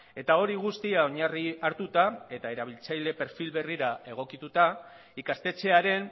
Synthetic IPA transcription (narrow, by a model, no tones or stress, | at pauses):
e̞t̪ao̞ɾiɣ̞ust̪iao̞ɲariaɾt̪ut̪ae̞t̪ae̞ɾaβ̞ilt͡sajle̞pe̞ɾfilβe̞riɾae̞ɣ̞o̞kit̪ut̪a | ikast̪e̞t͡se̞aɾe̞n